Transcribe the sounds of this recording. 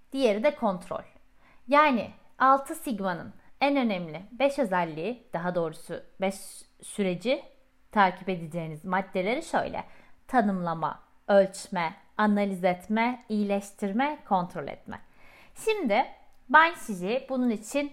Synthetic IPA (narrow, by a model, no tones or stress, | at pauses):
d̪̥ije̞ɾid̪ɛkʰo̞nt̪ʰɾo̞̰lʲ | jaːnɪ̰alˠt̪ʰɯsiɟmanɯ̰nænø̞nɛmlʲɪbɛʃø̞zælʲːiːd̪̥aɦad̪o̞ːɾubɛʃsyɾe̞d͡ʒi | t̪ʰaɾcʰiped̪id͡ʒe̞jːnizmad̪ːe̞lʲe̞ɾiʃø̞̰jlʲɛ̰t̪ʰanɯmlˠama̰ | ø̞lʲt͡ʃmɛ | analʲizɛt̪mɛijilʲɛʃt̪ʰiɾmɛkʰo̞nt̪ʰɾo̞lʲɛ̰t̪mɛ̰ʃimd̪ɪbanʃiʒibununit͡ʃʰin